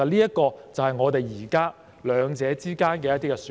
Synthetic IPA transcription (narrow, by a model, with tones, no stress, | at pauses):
ɐ˨t̚liː˥jɐ˥tkɔː˧t͡sɐ˨whɦɐ˨jŋɔː˨˧t̪e˨jiː˨˩kaː˥ | lœː˨˧ŋt͡sɛː˨˧t͡siː˥kaː˥nkɛː˧jɐt̪iː˥kɛ˧s